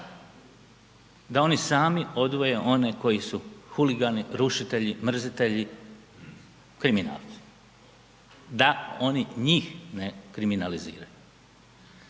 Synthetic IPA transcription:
d̪ao̞nisaːmio̞d̪ʋo̞jeʔo̞ne̞ko̞jisuxuliɡaniɾuʃit̪e̞ʎimr̩zit̪e̞ʎi | kɾimina̰ːlˠt̪si̥ | d̪ao̞niɲiːxne̞kɾiminalizḭːɾaju

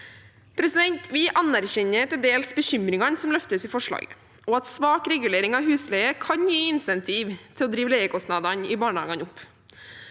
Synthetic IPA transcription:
pʰɾɛsɪd̪ɛnt̪ʰʋɪʔɑnːæɾçɛɲːət̪ɪld̪eːlsbəçʏmɾɪŋɑnsɔmlœft̪əsiːfɔʂɭɑ̰ːɡə | ʔɔɑt̪sʋɑːkɾɛɡʉleːɾɪŋɑʋɦʉːslɛːəkʰɑɲjiːɪnsɛnt̪ʰiːʋt̪ʰɪlɔd̪ɾiːʋəleːəkʰɔst̪nɑd̪ɑnɪbɑːɳəhɑ̰ːɡɑnʊpː

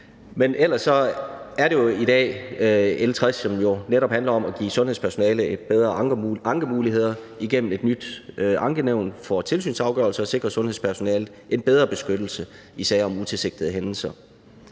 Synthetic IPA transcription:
menʔel̰ɐsːɒ̽æɐɾe̝jo̝iɾ̥ɛ̰ː | elt͡sʰʁasɒ̽mjo̝neɾɒ̽b̥hænlɐɒ̽mæɡ̥ḭːsɔ̽nheðˠspʰæɐso̝nɛ̰ːləed̥̚b̥eð̞ˠʁɐ̥ɑ̈ŋɡ̥əmuːliɦe̝ð̰ˠɐ | iɡ̥em̰m̩e̝d̥nyd̥ʔɑ̈ŋɡ̥əneʊ̰nfɒ̽t͡sʰe̝lsy̰ːnsɑ̈ʊɡ̥ɶ̰ɐlsəɒ̽se̝ɡ̥ʁɐsɔ̽nhe̝ðˠspʰæɐso̝nɛːlð̩ˠe̝nb̥eð̞ˠʁɐb̥e̝sɡ̥ød̥l̩sə | isɛ̰ːɒ̽mut͡sʰe̝lse̝ɡ̥d̥ið̩ˠəɦenl̩sɐ

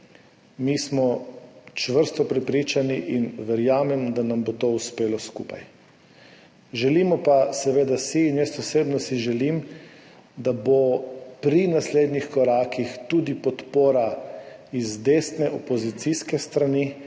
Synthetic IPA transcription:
mismɔt͡ʃʋəɾst̪ɔpɾɛpɾit͡ʃaniʔinʋɛɾjaːmɛmd̪anambot̪ouspeːlɔskupa̰j | ʒɛlimɔpasɛʋeːd̪asiːnjɛst̪ɔseːbnɔsiʒɛlim | d̪abopɾinasleːd̪nixkɔɾaːkixt̪uːd̪ipɔt̪poːɾa | izd̪eːst̪nɛʔɔpɔzit̪siskɛst̪ɾani

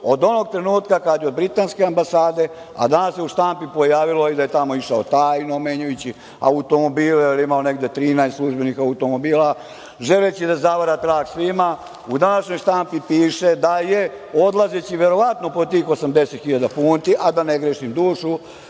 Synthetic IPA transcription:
o̞d̪o̞no̞ɡ̚t̪ɾe̞nuːt̪kakad̪jo̞d̪̚bɾit̪aːnskeambasaːd̪e̞ | a̰d̪anasjeuʃt̪ampipo̞jaːʋilo̞id̪ajet̪amo̞iʃaot̪ajnome̞ɲujut͡ɕi | a̰ut̪o̞mo̞biːljelimaone̞ɡd̪e̞t̪ɾiːnajst̪slˠuʒbe̞nixaut̪omo̞biːla | ʒe̞let͡ɕid̪azaʋaɾat̪ɾaːɡsʋima | ud̪anaʃɲo̞jʃt̪ampipiːʃed̪aje | o̞d̪lˠazet͡ɕiʋe̞ɾo̞ʋat̪nopot̪iːxo̞samd̪e̞set̪xiʎad̪apuːnt̪iʔad̪aneɡɾeʃimd̪uːʃu

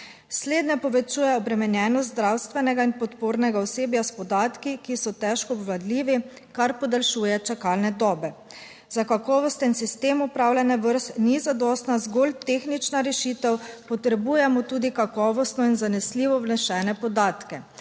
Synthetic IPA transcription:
sleːd̪nɛpɔʋɛt͡ʃuːjɛɔbɾɛmɛnjɛːnɔst̪zd̪ɾawst̪ʋɛnɛɡainpɔt̪poːɾnɛɡaɔseːbjaspɔd̪aːt̪kikisɔt̪ɛʃkɔːbʋlad̪liːʋi | kaɾpɔd̪ɛlʃuːjɛt͡ʃakalnɛd̪ɔːbɛ | zakakɔːʋɔst̪ɛnsist̪eːmupɾaːwlʲɛnɛʋəɾst̪nizad̪ɔːst̪nazɡolt̪exnit͡ʃnaɾɛʃiːt̪ɛwpɔt̪ɾɛbujɛmɔt̪uːd̪ikakɔːʋɔst̪nɔinzanɛsliːʋɔwlɛʃɛːnɛpɔd̪aːt̪kɛ

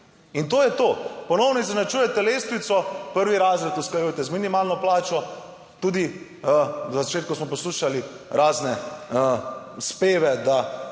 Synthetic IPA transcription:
int̪oːjɛt̪oːpɔnɔwnɔiznat͡ʃuːjɛt̪ɛleːst̪ʋit̪sɔpəɾʋiɾaːzɾɛt̪uskajuːjt̪ɛzminimaːlnɔplaːt͡ʃɔ | t̪uːd̪i | zat͡ʃeːt̪̚kusmɔpɔsluːʃali | ɾaːznɛ | speːʋɛd̪a

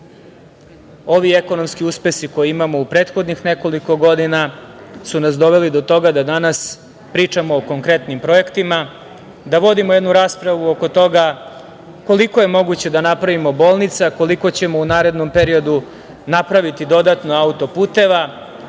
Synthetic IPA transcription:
o̞ʋieko̞no̞mskiuspe̞siko̞jiimamo̞upɾe̞ːt̪xo̞d̪nixne̞ko̞liko̞ɡo̞d̪inasunasd̪o̞ʋelid̪o̞t̪o̞ɡad̪ad̪anas | pɾiːt͡ʂamo̞ːkoŋkɾe̞t̪nimpɾo̞ekt̪ima | d̪aʋo̞d̪imojed̪nuɾaːspɾaʋuoko̞t̪o̞ɡa | ko̞liko̞je̞mo̞ɡut͡ɕe̞d̪anapɾaʋimo̞bo̞ːlˠnit̪sako̞liko̞t͡ɕemo̞unaːɾe̞d̪no̞mpe̞ɾio̞d̪u | napɾaʋit̪id̪o̞d̪at̪no̞aut̪o̞puːt̪e̞ʋa

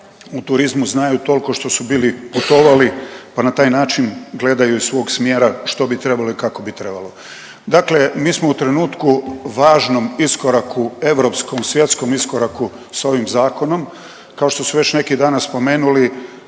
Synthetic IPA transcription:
ut̪uɾizmuznaːjut̪o̞lko̞ʃt̪o̞subiːliput̪oʋalipanat̪aːjnaːt͡ʃinɡle̞d̪ajuisʋo̞ːɡsmjeːɾaʃt̪o̞bit̪ɾe̞balo̞ikako̞bit̪ɾe̞balˠo̞ | d̪akle̞miːsmo̞ut̪ɾe̞nuːt̪kuʋaːʒno̞misko̞ɾakʰue̞ʋɾo̞pskomsʋje̞t̪sko̞miskoɾaku | sao̞ʋimzaːko̞no̞m | kao̞ʃt̪o̞suʋe̞t͡ɕne̞kid̪aːnaspo̞me̞ːnuli

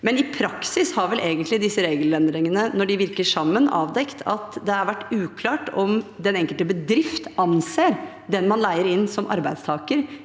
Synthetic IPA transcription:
mɛnɪpʰɾɑksɪshɑɾʋɛlʔeːɡənt̪lɪd̪ɪsːəɾeːɡəlɛnd̪ɾɪŋənənɔɖɪʋɪɾkəʂɑmːənɑ̰ːʋd̪ɛkt̪ʰɑt̪d̪ɛɑɾʋæʈːʉːkʰlɑːʈɔmd̪ɛnɛŋkəlt̪əbəd̪ɾɪft̪ʔɑnseːɾ | d̪ɛnmɑnlæɪəɾɪnːsɔmʔɑ̰ɾbæɪd̪st̪ʰɑːkəɾ

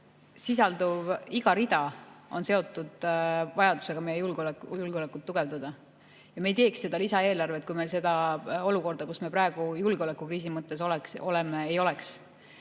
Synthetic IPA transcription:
sisɑld̪uviɡ̥ɑɾid̪̥ɑo̞̰nse̞o̞t̪ːˑud̪̥vɑjɑd̪u̥se̞ɡ̥ɑme̞jejulɡ̥olekːjulɡ̥eo̞lekːˑut̪ːuɡ̥e̞vd̪ɑd̪ɑ | jɑme̞jt̪e̞ːksːe̞d̪ɑlisɑe̞ːlɑrve̞t̪̚kujmelse̞d̪ɑo̞luko̞rd̪̥ɑkusme̞prɑeɡ̥ujulɡ̥eolekːˑukriːs̬imɤt̪ːe̞s̬o̞lekso̞le̞meejo̞le̞ks

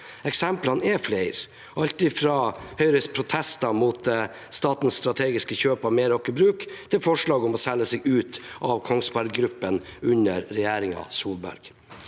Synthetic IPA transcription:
ɛksɛmplɑnɛflæɪɾ | ʔɑʎt̪ɪfɾɑhœʏɾəspʰɾʊt̪ʰɛst̪ɑmuːt̪ | st̪ɑːt̪n̩sst̪ɾɑt̪ʰeːɡɪskəçøːpɑʋmeːɾɔkːəbɾʉːkt̪ʰɪlfɔʂɭɑːɡɔmɔsɛlːəsɛɡʉːt̪ʔɑʋkʰɔŋsbɑɾɡɾʉpːənʉɲəɾːɛjæːɾɪŋɑ̰suːlbæ̰ɾɡ̥

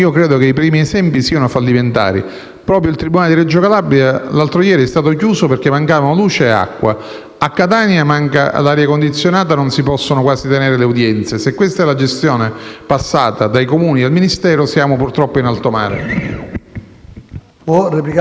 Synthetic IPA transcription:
iːokɾɛːd̪okeipɾiːmiesɛmpisiːanʊafalːiment̪a̰ːɾḭ | pɾɔːp̬ɾjoilt̪ɾibunaled̪iɾɛd͡ʒːokalabɾialalt̪ɾojɛːɾiɛst̪aːt̪ok̬juːsoperk̟emːaŋkaːvanoluːt͡ʃea̰kːwa̰ | akːat̪aːnjamaŋka̰laːɾjakond̪it̪sːjonaːt̪anonsipɔsːonokwaːzit̪eneːɾeleud̪jɛnt̪sjesekːwest̪aɛlad͡ʒest̪joːnepasːaːt̪ad̪aikomuːnid̪elminist̪ɛːɾosjaːmopurt̪ɾɔpːoinalt̪omaːɾḛ | pɔrepi

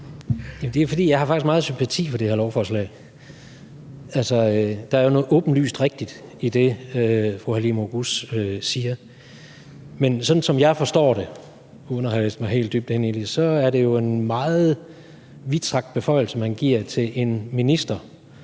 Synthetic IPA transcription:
jæmnd̥e̝ofɒd̥ḭːjɑ̈ɪhɑ̈fɑ̈ɡ̥isɡmɑ̈ːð̩ˠsympʰæt͡sʰḭːfɒɾe̝heɐlɒʊfɒːslɛ̰ɪ | ælsɒød̥ɑ̈æɐjo̝nɔ̽ːð̩ˠʔɔ̽ːb̥n̩ly̰ːsd̥ʁeɡ̥̚d̥id̥id̥e̝øfʁuhælimoɡ̥usøsiːɐ | mensɒ̽d̥n̩sɒ̽mjɑ̈ɪfɒ̽sd̥ɒ̰ːɾ̥e̝ | onɐhɑlḛːsd̥mɑ̈ɪɦe̝̰ːld̥yb̥̚d̥hene̝nlisɒ̽æɐɾe̝jo̝e̝nmɑ̈ːð̩ˠ | ʋid̥sʰʁɑ̈ɡ̥d̥̚b̥e̝fɒ̽ɪ̰l̩səhænɡ̥iɐ̰t͡sʰe̝lʔe̝nminisd̥ɐ

